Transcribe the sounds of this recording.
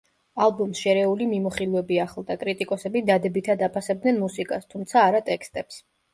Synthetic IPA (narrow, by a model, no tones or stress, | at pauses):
alˠbɔmsʃɛɾɛulimimɔχilˠɛbiaχlˠd̪akʼɾit̪ʼikʼɔsɛbid̪ad̪ɛbit̪ʰad̪apʰasɛb̚d̪nɛnmusikʼast̪ʰumt̪sʰaːɾat̪ʼɛkst̪ʼɛps